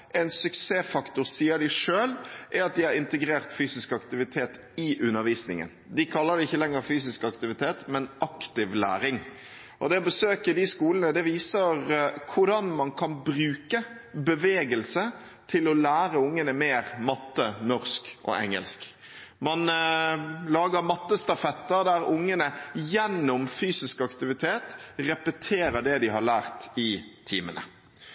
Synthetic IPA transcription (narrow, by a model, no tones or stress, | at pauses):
ɛnsʉkseːfɑkt̪ʊɾsiːəd̪ɪʂøːlʔɛɑt̪̚d̪ɪɑɾɪnt̪əɡɾeːɾt̪fyːsɪskɑkt̪ɪʋɪt̪ʰeːt̪ | ɪʔʉnːəɾʋiːsnɪ̰ŋə̰nd̪ɪkʰɑlːəɾd̪ɛɪçːəlɛŋːəɾfyːsɪskɑkt̪ɪʋɪt̪ʰeːt̪mɛnɑkt̪ɪʋlæ̰ːɾɪŋ | ʔɔd̪ɛbəsøːkəd̪ɪskuːlənəd̪ɛʋiːsəɾkʰʊɖɑnmɑnkʰɑnbɾʉːkə | bəʋeːɡəlsə | t̪ʰɪlɔlæːɾəʊŋːənəmeːʁmɑt̪ːənɔɾskʔɔ̰ʔɛ̰ŋːə̰lsk | mɑn | lɑːɡəɾmɑt̪ːəst̪ɑfɛt̪ːəɾd̪æʁʊŋːənəjɛnːʊmfyːsɪskɑkt̪ɪʋɪt̪ʰeːt̪ʁɛpət̪ʰeːɾəɖ̪ɛd̪ɪɦɑɾlæːʁt̪ɪt̪ʰiːmə̰nə̰